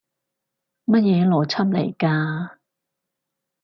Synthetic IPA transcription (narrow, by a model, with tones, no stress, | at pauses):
mɐ˥t̚jɛː˨˧lɔː˨˩t͡sʰɐ˥m̚lḛ˨˩jkaː˧